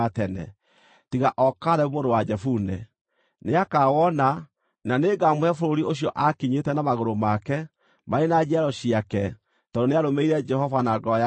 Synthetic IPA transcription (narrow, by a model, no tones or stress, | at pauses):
atɛnɛ̰ | tiɣaʔɔkaɾɛomoɾowad͡ʒɛfunɛ | neakawɔna | naneɡamwɛfoɾoɾioɕijɔʔakiɲetɛnamaɣoɾomakɛ | maɾenad͡ʒiaɾɔɕiakɛ | tɔdoneaɾomeiɾɛd͡ʒɛhɔvanaɡɔj